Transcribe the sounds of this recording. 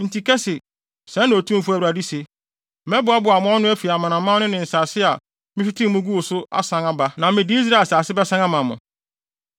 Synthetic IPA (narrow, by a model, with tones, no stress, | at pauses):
n̩˨ti˨kʰɛ˦sɪ˨ | sɛ̃˨˦nːã˨o˨tʰũ˦m̩˦fu˦æ˨wu˨ɾa˨di˦se˨ | mɛ̃˦bʊ˨a˦bʊ˨a˨mʊ̃˨˦ɔ˦nʊ̃˦æ˦fi˨a˨mã˨nã˨mã˦nʊ̃˦nɪ̃˨n̩˨saː˨sɪ˦a˨ | mɪ̃˦ɕᶣi˦tʰĩ˦mʊ̃˦ɡu˦wo˨sʊ˦a̰˦sã˨ŋa˨ba˦nã˨mɪ̃˨dɪ˦i˦s̬ɾa˦˨saː˨sɪ˦bɛ˦sã˦ŋã˦mã˨mʊ̰̃˨